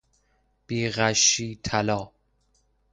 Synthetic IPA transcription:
b̥iːɣæʃiːt̪ʰælɒː

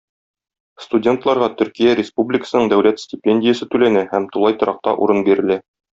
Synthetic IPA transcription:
st̪udʲe̞nt̪lˠɑɾʁɑt̪ɵ̆ɾkijæɾʲɪspublʲɪkə̥sɤ̆nɤɴd̪æwlæt̪sʲtʲɪpʲenʲdʲɪjəsɤt̪ʉlænæhæmt̪ulˠɑjt̪ɤ̆ɾʔɑq̚t̪ɑ̰ʔṵɾɤnbiɾɘ̆læ

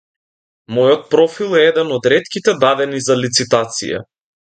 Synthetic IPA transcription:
mɔjɔt̪̚pɾɔfilˠɛɛd̪ɛnɔd̪ɾɛt̪kit̪ɛd̪ad̪ɛnizalit̪sit̪at̪sḭja̰

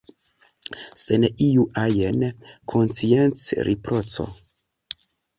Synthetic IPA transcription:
seneʔijuʔajenkʰonsient͡sɾʔipɾot͡so̰

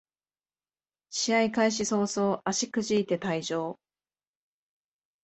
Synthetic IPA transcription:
ɕiaikaiɕ̬iso̞ːso̞ːʔaɕikɯ̟ʑiːt̪e̞t̪aiʑo̞ː

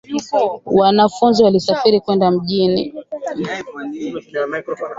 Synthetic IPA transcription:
wanafunziwalisafiɾikwɛndam̩ʄinḭ

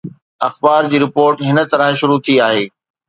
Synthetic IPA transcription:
ɐxbaːɾd͡ʑiːɾɪpoːɾʈɦɪnə̆t̪ɐɾə̃ʃʊɾut̪ʰiaːɦeː

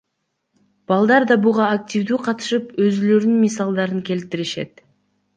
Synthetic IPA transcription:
b̥ɑlˠd̪ɑɾd̪ɑbuʁɑːk̚t̪ʲivd̪uːqʰɑt̪ɯ̥ʃɯpø̞zylø̞ɾynmisɑlˠd̪ɑɾɯŋkʲe̞lt̪iɾiʃe̞̰t̪̚

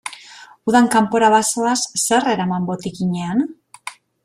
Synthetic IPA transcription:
uðaŋkampo̞ɾaβasoasːe̞re̞ɾamambot̪ikiɲean

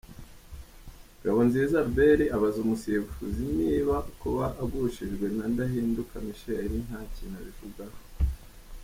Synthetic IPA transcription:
ɾaβonziːzaɾbe̞ɾiʔaβazumusiβfuziniːβakuβaʔːɡuʃiʒɡwe̞nandahiːndukamiʃeɾin̥haːcinaβivuɡaho

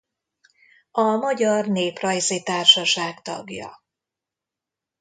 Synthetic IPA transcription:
ɒmɒɟɒrneːprɒjzit̪aːrʃɒʃaːkt̪ɒ̰ɡjɒ̰

